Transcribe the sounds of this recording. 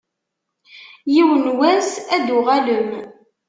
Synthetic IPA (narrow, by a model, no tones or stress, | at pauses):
jiwənwæsæd̪ʊʁæləm